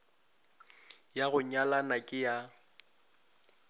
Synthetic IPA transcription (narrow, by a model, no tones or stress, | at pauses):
jaɣʊɲalanakʼɪja